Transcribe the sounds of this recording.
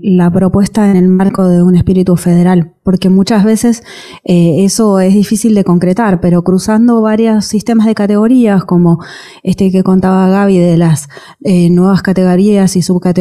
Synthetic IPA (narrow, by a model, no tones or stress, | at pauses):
lapɾo̞pwe̞st̪aenelmaɾko̞ðeune̞spiɾit̪ufe̞ð̞eɾalpo̞ɾke̞mut͡ʃazβe̞se̞s | eeso̞e̞zðifisild̪e̞ko̞ŋkɾet̪aɾpe̞ɾo̞kɾusand̪o̞βaɾjosːist̪e̞mazðe̞kat̪e̞ɣo̞ɾiako̞mo̞ | e̞st̪eke̞ko̞nt̪aβaɣaβiðelas | enwe̞β̞askat̪e̞ɣ̞o̞ɾiasisuβkat̪e